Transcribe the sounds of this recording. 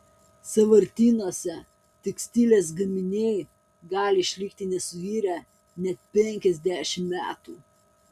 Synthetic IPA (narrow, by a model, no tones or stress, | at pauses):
sɐʋɐɾʲt̪ʲiːnoːsʲɛ | t̪ʲɛksʲt̪ʲiːlʲeːs̬ɡɐmʲɪnʲeɪ | ɡɑːlʲɪɪʃʲlʲɪkt̪ʲɪnʲɛsʊʋʲiːɾʲæ | nʲɛt̪̚pʲɛŋʲkʲɛzʲd̪ʲæːˑʃʲɪmmʲæ̰ːt̪uː